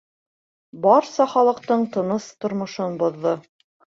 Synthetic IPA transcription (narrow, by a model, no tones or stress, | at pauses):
bɑɾsɑχɑlˠɤ̆qt̪ɤɴt̪ɤ̆nɤst̪ŏɾmŏʃonbŏðːɤ